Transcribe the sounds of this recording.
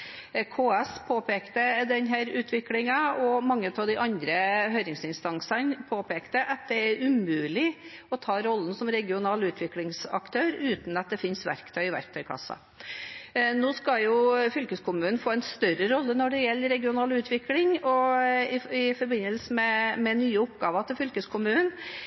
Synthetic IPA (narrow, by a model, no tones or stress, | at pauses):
kʰoːɛspʰoːpeːkt̪əd̪ɛnɦæɾʉːt̪ʰʋɪklɪŋɑɔmɑŋːəʉt̪ʰɑʋd̪ɪʔɑnd̪ɾəɦhœʏɾɪŋsɪnst̪ɑŋsənpʰoːpeːkt̪əʔɑt̪̚d̪ɛæɾʉmʉːlɪ | ɔt̪ʰɑːɾɔlːn̩sɔmɾɛɡɪʊnɑːlʉːt̪ʰʋɪklɪŋsɑ̰kt̪ʰøːɾʉːt̪nɑt̪̚d̪ɛfɪnsʋæ̰ɾkt̪ʰœːɡɪʋæ̰ɾkt̪ʰœʏkʰɑ̰sːɑ̰ | noːskɑljʊfʏlkəskʰʊmʉːnn̩foːɛnst̪œɾəɾɔlːənɔɖɛjɛlːəɾɛɡɪʊnɑːlʉːt̪ʰʋɪklɪŋɔɪɪfɔɾbɪnəlsəmɛmɛnyːəʊpɡɑːʋɑt̪ʰɪlfʏlkəskʰʊmʉːn